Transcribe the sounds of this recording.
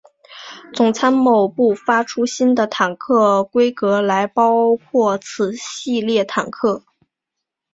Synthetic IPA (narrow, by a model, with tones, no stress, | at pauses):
t͡sʊ˨˩ŋt͡sʰa˥nmo˨˩ʊpu˥˩fa˥ʈ͡ʂʰu˥ɕi˥nd̪ə˨t̪ʰa˨˩nkʰɤ˥˩kwe˥ɪkɤ˧˥la˧˥ɪpɑ˥ʊkʰwɔ˥˩t͡sʰɹ̩˨˩ɕi˥˧ljɛ˥˩t̪ʰa˨˩nkʰɤ˥˩